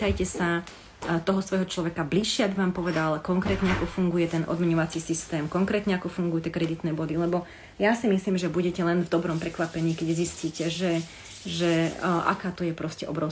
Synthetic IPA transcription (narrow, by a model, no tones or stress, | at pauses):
ajcɛsa | t̪ɔɦɔsʋɔjɦɔt͡ʃlɔʋɛkabliʃːɪɛaɡbiʋaːmpɔʋɛd̪alkɔŋkɾɛːt̪ɲɛakɔfuŋɡujɛt̪ɛnʔɔ̰d̪mɛɲɔʋat͡sisist̪ɛːmkɔŋkɾɛːt̪ɲɛakɔfuŋɡujut̪ːɛkɾɛd̪it̪nɛːbɔd̪ilɛbɔ | jasimisliːmʒɛbuɟɛcɛlɛnvd̪ɔbɾɔmpɾɛkʋapɛɲiːkɛɟzisciːcɛʒɛ | ʒɛʔa̰kaːt̪ɔjɛpɾɔscɛʔɔbɾɔʊ